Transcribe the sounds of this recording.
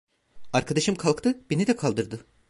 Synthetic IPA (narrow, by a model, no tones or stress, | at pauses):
aɾkʰad̪aʃɯmkʰalˠkt̪ʰɯb̥enid̪ɛkʰalˠd̪ɯɾd̪ɯ